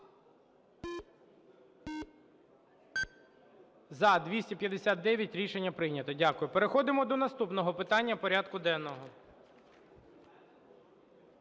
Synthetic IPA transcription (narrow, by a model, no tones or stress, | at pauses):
zɐd̪ʋʲisʲtʲipʲjɐd̪esʲat̪̚d̪ɛʋʲjɐtʲɾʲiʃenʲːɐpɾɪjnʲɐt̪ɔdʲakʊjʊpeɾexɔd̪ɪmɔd̪ɔnɐst̪upnɔɦɔpɪt̪ɑnʲːɐpɔɾʲad̪kʊd̪ɛnːɔɦɔ